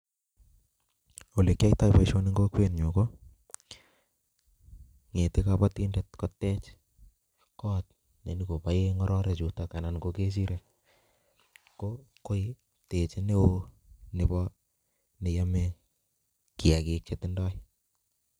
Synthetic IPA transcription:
o˨le˨kːa˦jta˦jpaiʃo˦niŋɡo˦kwe˦nɲo˨ko | ŋe˨tɪkapati˦ndet̚kɔ˦tːɛ˦t͡ʃ | kɔːt̚ | ne˨niko˨pa˦jeŋɔɾɔ˦ɾet͡ʃu˨taka˨nankoke˦s̬i˦ɾe | ko | ko˦j | te˨t͡ʃe˦ne˦wo | nebɔ | ne˨jame | kia˨kik̚t͡ʃetɪndɔ˦j

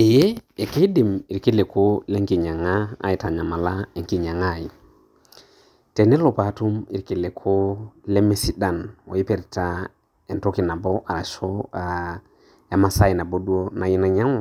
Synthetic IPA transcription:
e˨je˦e˨ke˦di˨mi˨ɾki˦le˨ko˦lɛ˦ŋki˨ɲa˨ŋa˦a̰˨ji˨ta˨ɲa˨ma˨la˦e˨ŋki˨ɲa˨ŋa˦˨ji˨ | tɛ˨nɛ˦lo˨pa˨˦tu˦mi˨ɾki˨le˨kʰo˦le˦me˦si˦da˨no̰˨jɪ˦pɛ˨ɾta˦ | ɛ˨nto˦ki˨na˨bɔ˦ʔa˨ɾa˨ʃo˦a | ja˨ma˨sa˦i˨na˨bo˦du˦o˦na˨jɪ˦na˨ɲa˦ŋa˨

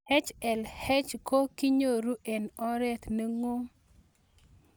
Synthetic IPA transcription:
hɛ˦t͡ʃɛ˨lhɛ˦t͡ʃko˦ki˦ɲo˦˨ɾu˦ʔɛ˨nɔ˦ɾɛ˦t̪ne˦ŋo˦

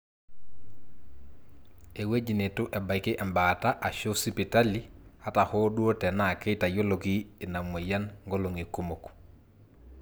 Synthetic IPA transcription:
e˨we˦d͡ʒi˨ne˨tʊ˦ʔɛ˨ba˨jkɪ˦ʔɛ˨mba˨ta˦ʔa˨ʃo˦si˦pi˨ta˦li˦ha˦ta˨ho˦du˦o˦tɛ˨na˨ke˦jta˨jo˦lo˨ki˦ɪ˨na˨mo˨ja˦nŋɡo˦lo˨ŋi˨ku˦mo˨k

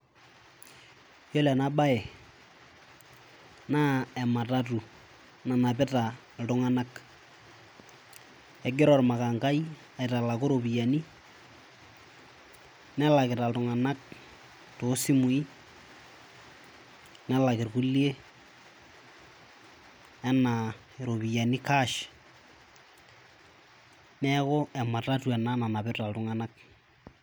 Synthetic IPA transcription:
jɔ˦lɛ˨na˦ba˦ɛ˨ | na˦ɛ˨ma˨ta˦tu˨ | na˨na˨p̬ɪ˦ta˨ | ltʊ˨ŋa˦na˦k | ɛ˨ɡɪ˦ɾɔ˨rma˨ka˨ŋka˦i˦ | a˨ɪ˨ta˨la˨kʊ˦ɾo˨pi˨ja˨ni˦ | nɛ˦la˨kɪ˨ɾa˨ltʊ˨ŋa˨na˦k̚ | to˦sɪ˦mʊ˨i˦ | nɛ˦la˨kɪ˨rku˦lje˦ | ɛ˦na˨ | eɾo˨βi˨ja˨ni˦ka˦ʃ | nɛ˦kɔ˦ɛ˨ma˨ta˦twɛ˨na˦na˨na˨pɪ˦ta˨ltʊ˨ŋa˨na˦k̚

